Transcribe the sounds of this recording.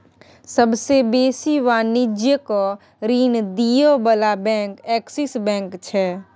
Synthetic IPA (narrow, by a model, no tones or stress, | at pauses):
səbsebeːsiʋaːnɪd͡ʒjəko | ɾiːnd̪ijobəlabɛ̃ːkɛːksɪsbɛ̃ːŋkt͡ʃʰɛː